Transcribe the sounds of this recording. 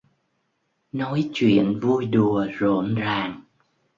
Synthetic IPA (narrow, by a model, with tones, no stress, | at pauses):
nɔ˨˦jt͡ɕwḭ˧˨ənvu˧jɗu˨˩əzo̰˧˨nzaː˨˩ŋ